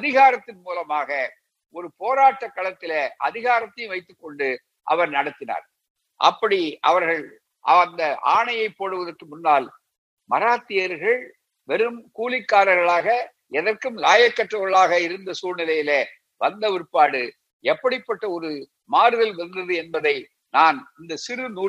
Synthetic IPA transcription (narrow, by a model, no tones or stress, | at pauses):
ɐðɪɣaːɾɐt̪ːɪnmuːlɐmaːɣɐ | ɔɾɯpoːɾaːʈːɐkːɐɭɐt̪ːɪleʔɐ̰ðɪɣaːɾɐt̪ːɐjmʋɐɪt̪ːɯkːɔɳɖɯ | ʔɐ̰ʋɐɾnɐɽɐt̪ːɪna̰ːɾ | ʔɐ̰pːɐɽiʔɐ̰ʋɐɾɣɐɭ | ʔɐɐnd̪ɐʔa̰ːɳɐjɐɪpːoːɽɯʋɐðɐrkɯmʊnːaːl | mɐɾaːt̪ːɪjɐɾɣɐɭ | ʋɛɾɯmkuːlɪkːaːɾɐɣɐɭaːɣɐ | ɛðɐrkɯmlaːjɐkːɐʈrɐʋɐɭaːɣɐɪɾɯnd̪ɐsuːɾnɪlɐjɪle | ʋɐnd̪ɐʋɪɾpːaːɽɯ | ɛpːɐɽɪpːɐʈːɐɔɾɯ | maːɾɯðɐlʋɐnd̪ɐðɯɛnbɐðɐɪ | naːnɪnd̪ɐsɪɾɯnuː